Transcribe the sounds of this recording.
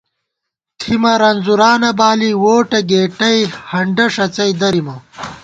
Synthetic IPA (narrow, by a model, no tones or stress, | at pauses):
t̪ʰimɐɾɐnzuɾaːnɐbaːliwoːʈɐɡeːʈɐjhɐɳɖɐʂɐt͡sɐjd̪ɐɾimɐ